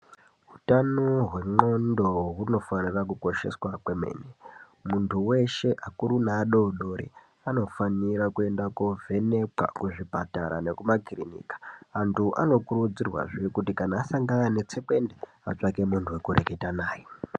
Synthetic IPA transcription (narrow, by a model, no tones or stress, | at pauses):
ɦutanoɦwe̞ŋ͡ǃo̞ndoɦuno̞fanirakuko̞ʃe̞̰swakwe̞me̞̰ːne | muntʰuwe̞ʃe̞ʔakuɾunaːɗoɗoɾḭ | ano̞faniɾakue̞ndakovʱe̞ne̞pwa̰kuʐipataɾa̰ne̞kumakirinḭːkḁantʰuʔa̰no̞kuɾud͡zirwa̰ʐijekutikanaːsaŋɡanane̞t͡se̞kwe̞nde | a̰t͡ʂake̞muntʰuwekuɾḛke̞tanaːje